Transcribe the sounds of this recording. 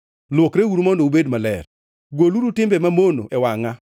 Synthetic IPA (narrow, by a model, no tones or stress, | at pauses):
lwokɾewuɾumɔndɔubedmalɛ̰r | ɡoluɾutɪmbɛmamono̰ʔɛwaŋa